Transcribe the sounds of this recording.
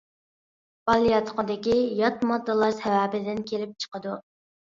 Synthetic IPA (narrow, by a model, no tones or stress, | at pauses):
b̥ɑlˠijɑt̪ʰqəd̪ɪkʲijɑt̪mɑd̪ːɨlˠɑɾsɛwæːbɪd̪ɪnkʲʰelɪp̚t͡ʃʰə̥qəd̪u